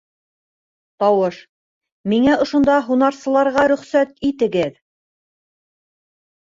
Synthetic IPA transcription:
t̪ɑwɤʃ | miŋæŏʃŏnd̪ɑɦunɑɾsɤ̆lˠɑɾʁɑɾɵ̆χsæt̪it̪ɘ̆ɡɘð

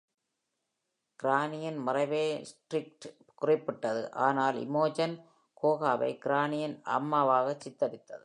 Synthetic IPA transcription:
kɪɾaːnɪjɐnmɐrɐɪʋeːsʈrɪk̚ʈ | kʊrɪpːɪʈːɐðɯ̰ʔaːnaːlɪ̰moːd͡ʒɐn | koːɣaːʋɐ̰ɪkɪɾaːnɪjɐnʔɐ̰mːaːʋaːɣɐt͡ʃːɪt̪ːɐɽɪt̪ːɐðɯ

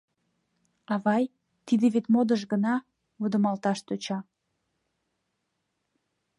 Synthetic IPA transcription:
ɑβɑj | t̪id̪eβet̪mod̪əʃɡənɑ | βud̪ə̆mɑlt̪ɑʃt̪øt͡ɕɑ

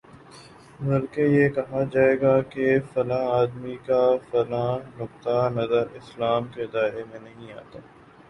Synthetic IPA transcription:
bɐlkejekɐɦad͡ʒaːeːɡakefɐlãaːd̪mikafɐlãːnʊk̚t̪anɐzəɾɪslaːmkeɪd̪aːɾemẽnɐɦĩaːt̪aː

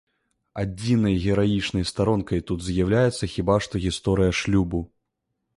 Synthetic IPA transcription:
ad͡zʲinɐjɣʲɛɾajit͡ʂnɐjst̪aɾɔnkɐjt̪ud̪zʲjawlʲajɛt̪sːɐxʲibaʂt̪ɔɣʲist̪ɔɾɨjɐʂlʲubu

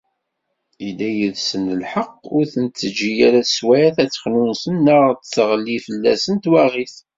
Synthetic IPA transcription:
ilːæjəðsənəlħəqːʊɾθənt͡s̪ːəd͡ʒijæɾæswæθæt͡sːə̥χnunsənːəʁt̪t͡sːəʁəlːifəlːæsənt̪wæʁiθ

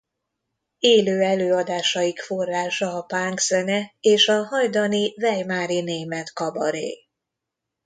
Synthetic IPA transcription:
eːløːɛløːɒd̪aːʃɒjikfo̞rːaːʃɒːpaːŋksɛnɛeːʃɒɦɒjd̪ɒnivɛjmaːɾineːmɛt̪kɒbɒ̰ɾḛː

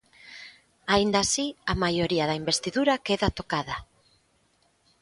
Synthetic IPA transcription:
aind̪asiamajoɾiaðaimbest̪iðuɾakeðat̪okaða

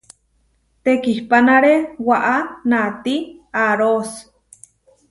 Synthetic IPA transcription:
t̪ekihpanaɾewaʔanat̪iaɾos

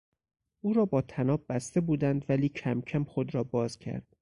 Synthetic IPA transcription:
ʔuːɾɒːbɒːt̪ʰænɒːbbæst̪e̞buːd̪ænd̪væliːcʰæmcʰæmxo̞d̪ɾɒːbɒːz̥cʰæ̰ɾd̪̥̚

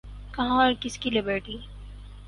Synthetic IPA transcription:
kɐɦãɔɾkɪskilɪbəɾʈiː

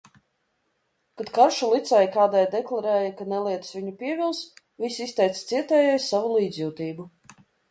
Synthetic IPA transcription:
kad̪kaɾʃulˠit̪sɛjkaːd̪ɛjd̪ɛklˠaɾɛːjɐkanɛlˠiɛt̪svʲiɲupiɛvʲilˠs | vʲisʲist̪ɛjt̪st̪siɛt̪ɛːjɛjsavulˠiːd̪zʲjuwt̪iːbu

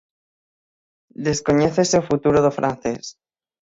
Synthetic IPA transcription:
d̪e̞sko̞ɲeθeseofut̪uɾoðofɾʔan̟θe̞s

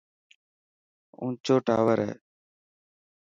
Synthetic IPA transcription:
ũːt͡ʃoːʈa̰ːʋəɾɦɛ̰ː

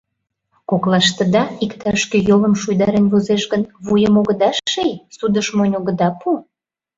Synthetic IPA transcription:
koklɑʃt̪ə̆d̪ɑikt̪ɑʃkejoləmʃujd̪ɑɾenβozeʃɣənβujəmoɣəd̪ɑʃejsud̪əʃmonʲoɣə̆d̪ɑpu

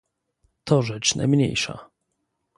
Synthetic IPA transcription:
t̪ɔʐɛt͡ʂna̰jmɲḛjʂa̰

